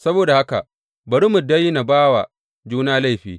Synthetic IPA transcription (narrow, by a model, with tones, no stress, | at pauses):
sɐ˦boː˨da˨ha˦ka̰˨ | bɐ˨ɽɪ˦mʊ˨da˦ji˦na˨baː˦wa̰˨ | d͡ʒuː˦naː˦la˦jɸḭː˨